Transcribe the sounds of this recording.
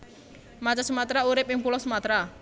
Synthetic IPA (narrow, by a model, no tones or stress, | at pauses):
mat͡ʃasumat̪ɾauɾɪp̚ɪŋpulɔsəmat̪ɾa